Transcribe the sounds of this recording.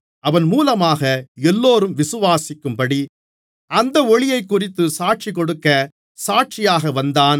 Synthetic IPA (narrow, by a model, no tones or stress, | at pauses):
ɐʋɐnmuːlɐmaːɣɐɛlːoːɾɯmʋɪsɯʋaːsɪkːɯmpɐɽi | ʔɐnd̪ɐɔɭɪjɐɪkːʊrɪt̪ːɯsaːʈ̚t͡ʃikɔɽɯkːɐ | saːʈ̚t͡ʃɪjaːɣɐʋɐnd̪aːn